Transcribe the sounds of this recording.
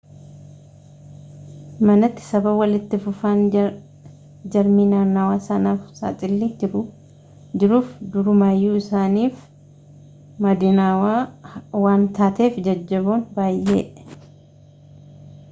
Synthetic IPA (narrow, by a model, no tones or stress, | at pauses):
mɐnɐt̪ːɪ̥sɐbɐbwɐlɪt̪ːɪfʊfaːn | d͡ʒɐɾmiːnaːnːaːwaːsɐnaːfsa̰ːt̪ʼɪlːid͡ʒɪɾʊ | d͡ʒɪɾuːfd̪ʊɾʊmaːjːuːɪsaːniːf | mɐd̪ɪnaːwaːwaːnt̪aːt̪e̞ːfd͡ʒɐd͡ʒːɐboːnbaːjʔḛːʔ